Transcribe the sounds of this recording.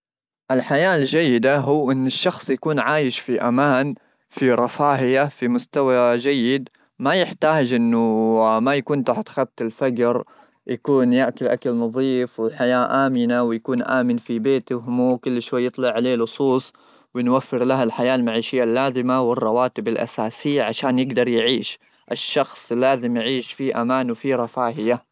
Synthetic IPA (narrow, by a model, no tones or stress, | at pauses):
ʔɪlħajaːld͡ʒajːɪd̪aɦʊːʔɪnːɪʃːɑxsˤjakuːnʕaːjɪʃfiʔamaːn | fiɾˤɑfaːhɪjafimʊst̪awad͡ʒajːɪd̪ | majɪħt̪aːd͡ʒʔɪnːʊmajakuːnt̪aħt̪xat̪t̪ɪlfad͡ʒɾ | jakuːnjaʔkʊlʔa̰kalnɑðˤiːfwɪħajaːʔaːmɪnawɪjakuːnʔa̰ːmɪnfibeːt̪ɦmuːkʊlːʃwajːɨt̪ˤlɑʕaleːlʊsˤuːsˤ | wɪnwafːɪɾlaɦalħajaːlmaʕiːʃɪjːalːaːzɪmawɪrˤːɑwaːt̪ɪbalʔa̰saːsɪjːaʕaʃaːnjɪɡd̪ɑɾˤjʕiːʃ | ʔɪʃːɑxsˤlːaːzɪmjʕiːʃfiʔamaːnwfiɾˤɑfaːhɪja